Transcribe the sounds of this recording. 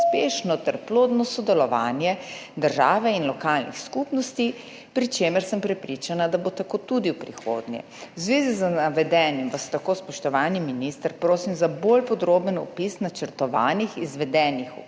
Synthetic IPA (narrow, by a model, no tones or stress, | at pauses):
speːʃnɔt̪ɛɾploːd̪nɔsɔd̪ɛlɔʋaːnjɛd̪əɾʒaːʋɛinlɔkalnḭxskupnɔst̪i | pɾit͡ʃeːməɾsəmpɾɛpɾiːt͡ʃanad̪abot̪akoːt̪ud̪iwpɾixo̰d̪njɛ̰ | wzʋeːzizənaʋɛd̪ɛːnjimʋast̪akoːspɔʃt̪ɔʋaːniminist̪əɾpɾoːsimzabolpɔd̪ɾoːbənɔ̰pisnat͡ʃəɾt̪ɔʋa̰ːnixizʋɛd̪ɛːnixu